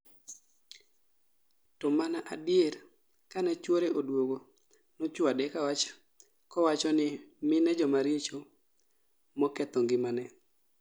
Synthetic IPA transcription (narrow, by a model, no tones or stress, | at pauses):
tɔmanaʔadɪjeɾ | kanɛt͡ʃwoɾeʔodwoɡo | nɔt͡ʃwadɛkawat͡ʃ | kɔwat͡ʃɔnɪmɪnɛd͡ʒɔmaɾjet͡ʃo | mɔkɛt̪ɔŋɡɪmanɛ